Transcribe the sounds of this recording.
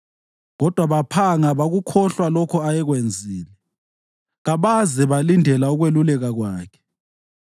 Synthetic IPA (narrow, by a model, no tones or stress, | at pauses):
ɣɔd̥ʱwaβapʰaŋaβaɣukʰɔɬwalɔkʰɔajɛɣwend͡zʱiːni | ɣaβazɛβalindʱɛlauɣwelulɛɣaɣwaːkʰɛ̥